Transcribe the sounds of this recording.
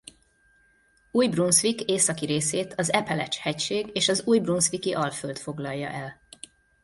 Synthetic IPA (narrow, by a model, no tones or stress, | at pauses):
uːjbrunsʋikeːsɒkiɾeːseːt̪ʰɒzɛpɛlɛ̰t͡ʃhɛcʃeːɡeːʃɒzuːjbrunsʋikiʔɒlfølt̪fo̞ɡlɒjːɒ̰ʔɛl